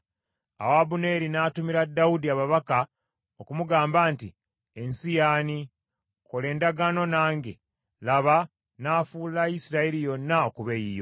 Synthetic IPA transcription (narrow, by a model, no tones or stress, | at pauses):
a̰wabune̞ːɾinaːtumiɾadːawudiaβaβaka | okumuɡaːmbaːnti | e̞nsijaːni | ko̞le̞ːndaɡano̞naːŋɡe | laβa | naːfuːlajisiɾaelijo̞nːaokuβejijo̞̰